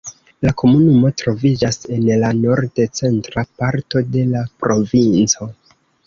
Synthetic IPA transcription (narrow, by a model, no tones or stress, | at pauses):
lako̞munumo̞tɾo̞vid͡ʒase̞nlano̞ɾdet͡se̞ntɾapaɾto̞de̞lapɾo̞vint͡so̞